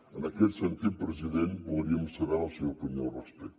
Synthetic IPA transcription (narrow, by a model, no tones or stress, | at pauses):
ənəkɛt̪sənt̪it̪̚pɾəziðenbulˠɾiəmsəɾaəlˠsɛwkəɲowrəspɛk̪̚